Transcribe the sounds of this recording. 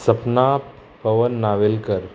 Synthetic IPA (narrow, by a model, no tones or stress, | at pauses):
səpna | pəʋənːaʋelkəɾ